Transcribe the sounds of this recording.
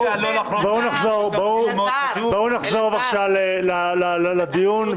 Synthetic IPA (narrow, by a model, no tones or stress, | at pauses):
bounaχzoʁbo | bounaχzoʁvaχʃavlelalallad̪ijun